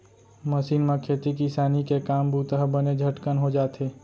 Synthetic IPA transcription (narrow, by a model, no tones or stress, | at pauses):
məsiːnmẽkʰeːt̪ikɪsaːnikekaːmbuːt̪əɦbəned͡ʒʱəʈkənɦod͡ʒaːt̪ɦeː